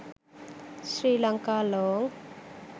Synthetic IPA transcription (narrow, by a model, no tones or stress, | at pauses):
sɾilaŋkaːlɔŋ